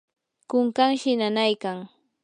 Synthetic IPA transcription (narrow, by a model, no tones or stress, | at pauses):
kʊŋkaŋʃɪnanajkaŋ